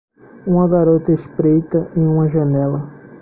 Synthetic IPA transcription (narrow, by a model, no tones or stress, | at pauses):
ũmɐɡaɾot̪ɐeʃpɾejt̪ɐʔẽj̃ũmɐʒɐnɛlɐ